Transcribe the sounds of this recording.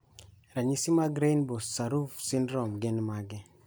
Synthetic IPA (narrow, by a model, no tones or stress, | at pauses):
ɾaɲisimaɡɾejnbosaɾufsindɾɔmɡenmaɡe